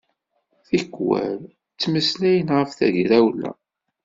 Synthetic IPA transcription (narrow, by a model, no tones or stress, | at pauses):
θikːwæ̰l | t͡sːməslæjənʁəfθæʝɾæwlæ̰